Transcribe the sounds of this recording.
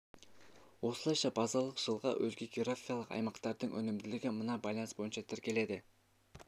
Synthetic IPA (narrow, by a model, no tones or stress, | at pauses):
wo̞səlˠɑjʃɑbɑzɑlˠəqʒ̥əlˠʁɑ̰ʔɵzɡʲeɡʲeɾofʲijɑlˠəqɑ̰jmɑqt̪ɑɾd̪əɴʔɵ̰nɪmd̪ɪlɪɡʲɪmənɑbɑjlˠɑnsbo̞jənʃɑt̪ʰɪɾkʲe̞le̞d̪ɪ